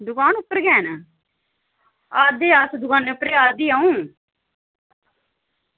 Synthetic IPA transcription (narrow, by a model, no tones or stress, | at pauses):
d̪ʊkaːnʊpːəɾɡɛːn | aːd̪eːasd̪ʊkaːneʊpːəɾeːaːd̪iːaːũː